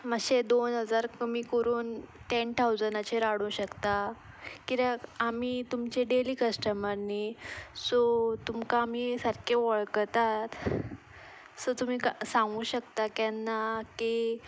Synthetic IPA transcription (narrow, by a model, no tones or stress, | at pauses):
məɕed̪onɦəd͡zaɾkəmiːkəɾuːnʈent̪ʰawd͡zənat͡ɕeɾaɽũɕəkt̪a | kiɾaːmiːt̪umt͡ɕeɖeliːkəsʈəmanːisɔt̪umkaːmisəɾkʰeʋəɭkt̪at̪ | sɔt̪um̤iːkasãŋɡũːɕəkt̪akjanːaki